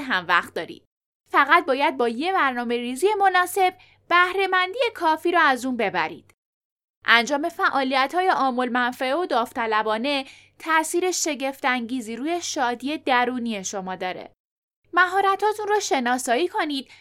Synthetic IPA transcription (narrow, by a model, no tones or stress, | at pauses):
ɦæmvæ̰xt̪̚d̪ɒːɾḭːd̪̥ | fæɣæt̪̚bɒːjæd̪̚bɒːje̞bæɾnɒːme̞ɾiːzije̞mo̞nɒːse̞b | b̥æhɾe̞mænd̪ije̞kʰɒːfiːɾɒːæzuːnbe̞bæ̰ɾḭːd̪̥ | ʔænd͡ʒɒːme̞fæʔɒːlijæt̪hɒːjeʔɒːmolmænfæeod̪ɒːft̪ʰælæbɒːne̞ | t̪ʰæʔsiːɾe̞ʃe̞ɟe̞ft̪æŋɟiːziːɾuːje̞ʃɒːd̪ie̞d̪æɾuːnie̞ʃo̞mɒːd̪ɒːɾḛ | mæɦɒːɾæt̪ʰhɒːt̪ʰunrɒːʃe̞nɒːsɒːiːkʰo̞niːd̪̥̚